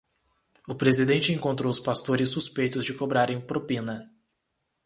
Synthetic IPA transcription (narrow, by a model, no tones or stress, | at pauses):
ʊpɾezid̪ẽt͡ʃɪẽŋkõnt̪ɾowʊspast̪oɾɪsːuspejt̪ʊzd͡ʒɪkobɾaɾẽj̃pɾopĩnɐ